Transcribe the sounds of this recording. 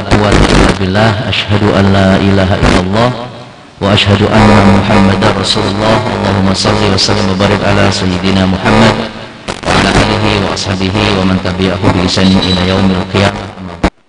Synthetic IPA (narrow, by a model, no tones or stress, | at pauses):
qʊwat̪lʔɪ̰lːabɪlːaːhʔaʃhad̪uʔanlaːʔilaːɦaʔɪ̰lːalˤːɑːh | waʔaʃhad̪uʔanːamʊħamːad̪anrˤɑsuːlʊlˤːɑːhʔɑ̰lˤːɑːɦʊmːasˤɑlːiwasalːɪmwabarɾɪkʕalasajːɪd̪inamʊħamːad̪̚ | wʔa̰ʕalaʔaːlɪɦiwa̰ʔɑ̰sˤhaːbɪɦiwamant̪abɪʕaɦubɪlɪsaːnɪʔɪlajawmalqijamamːa